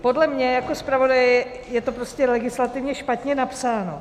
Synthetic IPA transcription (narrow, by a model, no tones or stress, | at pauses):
po̞dlɛmɲɛjako̞spɾavo̞daj | jɛt̪o̞pɾoscɛlɛɡɪslat̪ɪvɲɛʃpat̪ɲɛnapsaːno̞